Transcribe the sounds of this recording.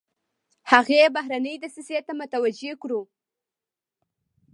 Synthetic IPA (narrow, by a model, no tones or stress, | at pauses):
haɣebaɦɾanəjd̪əsəset̪amʊt̪awad͡ʒekɽu